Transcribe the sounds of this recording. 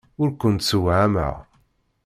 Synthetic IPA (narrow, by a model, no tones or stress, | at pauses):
ʊɾkʷənt̪səwʕamə̰ʁ